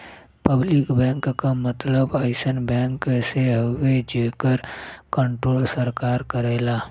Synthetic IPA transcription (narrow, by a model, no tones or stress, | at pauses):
pəblɪkbɛ̃ːŋkkamət̪ləbaːɪsənbɛ̃ːŋkseɦəwed͡ʒeːkəɾkə̃ɳʈɾoːlsəɾkaːɾkəɾeːlaː